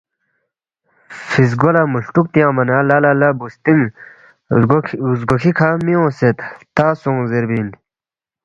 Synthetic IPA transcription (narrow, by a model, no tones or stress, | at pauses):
fis̬ɡolamuɬʈuk̚t̪ijãːmɐnaːlaːlalabust̪iŋ | zɡokʰikʰamiõːset̪t̪aːsõŋzeɾbin